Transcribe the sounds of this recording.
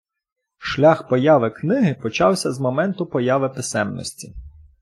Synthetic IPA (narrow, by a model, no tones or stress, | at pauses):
ʃlʲaxpɔjɑʋɪknɪɦɪpɔt͡ʃɑwsʲɐzmɔmɛnt̪ʊpɔjɑʋɪpɪsɛmnɔ̰sʲtʲi